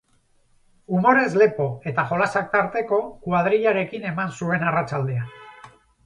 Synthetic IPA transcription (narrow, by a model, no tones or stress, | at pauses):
umo̞ɾe̞zle̞po̞e̞t̪aʝo̞lasak̚t̪aɾt̪e̞ko̞kwað̞ɾiʎaɾe̞kine̞mansue̞narat͡ʃald̪ean